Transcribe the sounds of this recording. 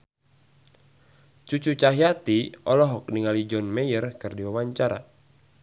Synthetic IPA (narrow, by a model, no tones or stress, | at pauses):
t͡ʃut͡ʃut͡ʃaɦiat̪iɔlɔɦɔk̚niŋalid͡ʒɔnmɛjərkɨrdiwawaɲt͡ʃaɾa̰